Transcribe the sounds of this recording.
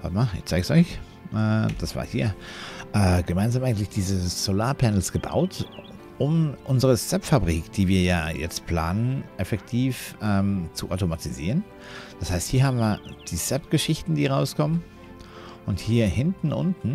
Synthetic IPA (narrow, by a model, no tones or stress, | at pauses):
va̰tmaːɪ̰çt͡saɪɡsɔʏç | ʔɛːd̥asv̥a̰ːhiːɐʔɛːɡ̥əmaɪnzamʔaɪɡŋ̩tlɪçd̥iːzəz̥olaːɐpʰɛnl̩sɡ̥əba̰ʊt | ʔʊmʔʊnzəʁəsɛpfabʁiːkd̥iːviːɐjaːjɛ̰t͡stpʰl̥aːnənʔɛfɛktʰiːfʔɛːmt͡suʔaʊtomatiziːʁən | d̥ashaɪsthiːɐɦaːbm̩viːɐd̥iːsɛpɡ̥əʃɪçtn̩diːʁaʊskʰɔmən | ʔʊnthiːɐhɪntn̩ʔʊ̰ntn̩